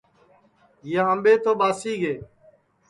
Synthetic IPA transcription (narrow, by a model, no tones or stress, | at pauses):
jaɦəmɓeːt̪oːɓaːsiːɡeː